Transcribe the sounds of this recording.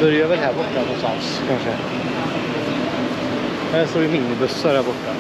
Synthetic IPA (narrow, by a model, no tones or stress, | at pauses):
bœɾjavɛlɦæːɾbɔʈːanɔnst̪ans | kʰanʂə | st̪oːɾɪmɪnːɪbɵsːaɾhæːɾbɔʈːa